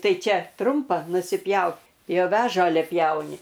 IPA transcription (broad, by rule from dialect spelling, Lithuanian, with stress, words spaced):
ˈtɐɪ ˈt͡ʃʲɛ ˈtrʊmpɐ nʊsʲɪˈpʲjɛʊ jɛʊ ˈʋʲɛ ˈʒɑːlʲɛ ˈpʲjɛʊnʲɪ